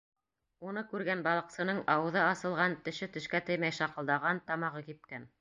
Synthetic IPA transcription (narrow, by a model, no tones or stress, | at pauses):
unɤkʉɾɡænbɑlˠɤ̆qsɤ̆nɤɴɑwɤ̆ðɤɑsɤ̆lˠʁɑnt̪ɵ̆ʃɘt̪ɵ̆ʃkæt̪ɘ̆jmæjʃɑqɤ̆lˠd̪ɑʁɑnt̪ɑmɑʁɤkip̪̚kæn